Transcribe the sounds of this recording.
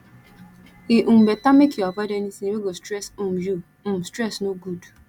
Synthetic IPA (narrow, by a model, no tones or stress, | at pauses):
iʔum̩betamekiɔbadenisniweɡostɾɛsom̩ju | m̩m̩stɾɛsnoɡud